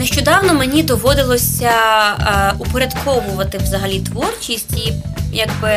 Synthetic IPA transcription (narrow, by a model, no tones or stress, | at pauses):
neʃt͡ʃɔd̪ɑwnɔmenʲid̪ɔʋɔd̪ɪlˠɔsʲɐ | upɔɾʲɐd̪kʰɔʋʊʋɐt̪ɪwzɐɦɐlʲit̪ʋɔrt͡ʃʲisʲtʲi | jɐɡbɪ